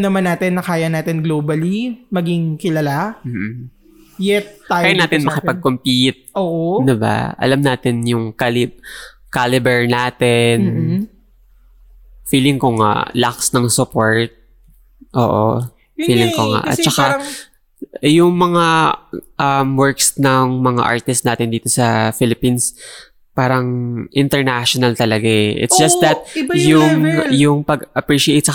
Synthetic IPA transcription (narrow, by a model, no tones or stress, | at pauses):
nɐmanːaːt̪ɪnːɐkaːjɐnaːt̪ɪnɡloːbɐlimɐɡiŋkɪlɐlam̩ːh̩ | jɛt̪̚ːaajanaːt̪ɪnmɐkɪpɐɡ̚kompit̪̚ʔoːʔod̪ɪba̰ʔɐ̰lamnaːt̪ɪnjʊŋkalɪkalɪbɛɹnaːt̪ɛn | fiːlɪŋkoŋa̰laksnɐŋsʊpoɹt̪̚ | ʔo̰ːʔo̰ | fiːlɪŋkoŋa̰ʔɐ̰t̪̚t͡ʃɐka | jʊŋmɐŋaʔɐmwɛɹksnɐŋmɐŋa̰ʔa̰ɹt̪ɪst̪̚naːt̪ɪnd̪iːt̪o̞sɐfɪlɪpins | paːɾɐŋʔɪnt̪ɛɹnaʃonɐlt̪ɐlɐɡaʔɛʔɪ̰t̪ssd͡ʒɐst̪̚d̪ɐt̪̚jʊŋjʊŋpɐɡʔɐpɹiʃɪʔet̪t͡ʃɐ